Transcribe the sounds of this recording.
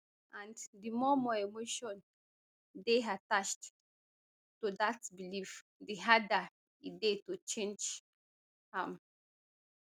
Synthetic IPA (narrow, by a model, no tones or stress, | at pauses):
ʔãnddimɔmɔemoʃɔ̃n | deɦatat͡ʃt | tudatbilif | diɦada | idetut͡ʃẽnd͡ʒ | hãm